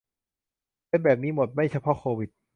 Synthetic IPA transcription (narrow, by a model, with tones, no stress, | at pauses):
aː˧˩bɛː˨˩p̚niː˦˥mo˨˩t̪̚ma˥˩jt͡ɕʰa˧pʰɔ˦˥kʰoː˧wi˨˩t̪̚